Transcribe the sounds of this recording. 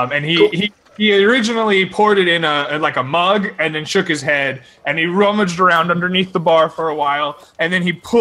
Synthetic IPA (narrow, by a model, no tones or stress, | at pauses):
ɨ̃nihi | iə˞ɪd͡ʒɨnl̩ˠipʰʊɹɾɨɾɪ̃nəɨlaɪkəmʌɡɨ̃nðɨ̃nʃʊkhɨz̥ɦɛd | ʔɨ̃niɹʌmɨd͡ʒdə˞ãʊ̃ndʌ̃ndə˞niθðəbɑɹfə˞əwaɪlˠ | ɨ̃nðɨ̃nipʰʊ